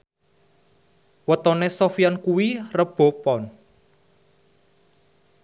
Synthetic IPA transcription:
wət̪ɔnesofiankuwirəb̥ɔ̤pɔn

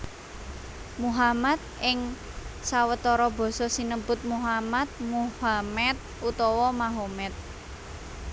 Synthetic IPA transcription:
muɦamat̪̚ʔɪŋ | sawət̪ɔɾɔb̥ɔ̤sɔsinəmbʊt̪̚muɦamat̪̚muhamɛt̪̚ʔut̪ɔwɔmaɦomɛt̪̚

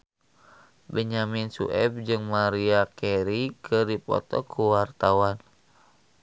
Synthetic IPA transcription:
bəɲaminsṵʔɛb̚d͡ʒɨŋmaɾiakɛɾikʰɨrdipɔ̰t̪ɔ̰kʰuwart̪awan

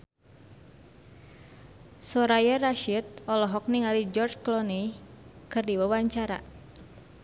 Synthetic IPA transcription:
sɔɾajaraʃit̪̚ɔlɔɦɔk̚niŋalid͡ʒɔrd͡ʒklɔnejkɨrdiwawaɲt͡ʃaɾa̰

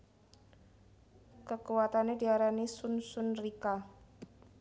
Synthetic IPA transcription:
kəkuwat̪anediaɾanisunsʊnrika

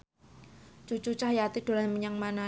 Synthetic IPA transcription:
t͡ʃut͡ʃut͡ʃahjat̪id̥o̤lanməɲaŋmana

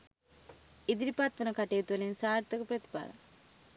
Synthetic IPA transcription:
id̪iɾipat̪ʋɐnɐkɐʈejut̪uʋɐlinsaːɾt̪ɐkupɾɐt̪i̥pa̰ːlɐ̰

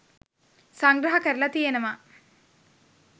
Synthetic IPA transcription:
saŋɡɾɐɦɐkəɾilɐt̪ijenəʋɐ

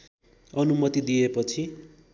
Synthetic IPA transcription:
ʌnumʌt̪id̪ijepʌt͡sʰi

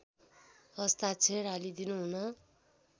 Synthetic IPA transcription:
ʌst̪at͡sʰeɾalid̪inuɦunʌ

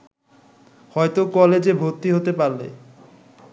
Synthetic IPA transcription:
hɔjt̪okɔled͡ʑebʱot̪ːiɦot̪epaɾlḛ

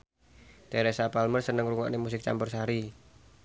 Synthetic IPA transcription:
d̥eɾesapalmərsənəŋɾuŋa̰ʔnemusɪk̚t͡ʃa̰mbʊrsɦaɾi

